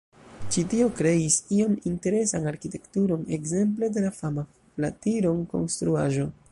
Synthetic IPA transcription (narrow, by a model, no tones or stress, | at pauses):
t͡ʃitio̞kɾe̞isio̞minte̞ɾe̞sanaɾkite̞ktuɾo̞ne̞ɡze̞mp̬le̞de̞lafama | platiɾo̞nko̞̰nstɾuaʒo̞